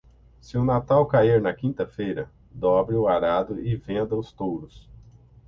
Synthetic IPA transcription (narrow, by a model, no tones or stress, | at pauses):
sɪʊnat̪awkaiɾnɐkĩnt̪ɐfejɾɐ | d̪ɔbɾɪʊaɾad̪ʊʔɪvẽnd̪ɐʊst̪owɾʊs